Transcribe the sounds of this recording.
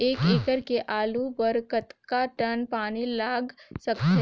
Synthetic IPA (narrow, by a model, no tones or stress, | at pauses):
eːkeːkəɾkeʔaːlubəɾkət̪kaʈɐnpaːnilaːɡsɐkt͡ʃe